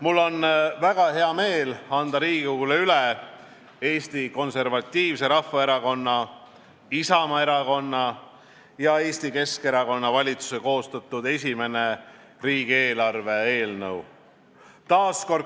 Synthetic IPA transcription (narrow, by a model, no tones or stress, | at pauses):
mulːo̞nvæɡ̥ɑɦe̞ɑme̞ːlɑnd̪ɑɾiːɡuuleyle | e̞ːsʲt̪iko̞nse̞rvɑt̪ʲːiːvse̞ɾɑfːɑe̞ɾɑko̞nːɑ | isɑmɑe̞ɾɑko̞nːɑ | jɑe̞ːsʲt̪ike̞ske̞ɾɑko̞nːɑvɑlʲit̪su̥se̞ko̞ːst̪ɑt̪ːˑud̪e̞sʲime̞ne̞ | riːɡ̥ie̞ːlɑrve̞e̞ːlnɤ̰w | t̪ɑːsko̞r